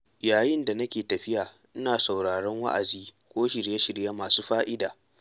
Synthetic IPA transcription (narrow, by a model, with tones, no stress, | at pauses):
jaː˨jɪ˦nda˨nɐ˦kʲeː˨tɐ˨ɸɪ˦jaː˨ | ʔɪ˦naː˨sa˨wɽaː˨ɽɔ˦ŋwa̰˦ʔa̰˨ziː˦kʷoː˦ʃɪ˨ɽje˦ʃɪ˨ɽja˦maː˨suː˦ɸaː˦ʔɪ˦daː˨